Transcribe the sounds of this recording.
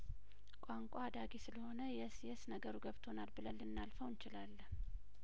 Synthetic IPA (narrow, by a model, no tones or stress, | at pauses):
kʼaŋkʷʼad̪aɡisɨləho̞nəjɛsjɛsnəɡəɾuɡəβt̪ʰo̞nalbɨləlːɨnːalfəwnt͡ʃɪlalːə